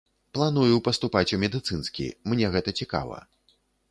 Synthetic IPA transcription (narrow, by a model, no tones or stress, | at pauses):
plˠanujuwpɐst̪upat͡sʲumʲɛd̪ɨt̪sɨnskʲḭmnʲɛɣɛt̪ɐt͡sʲika̰vɐ̰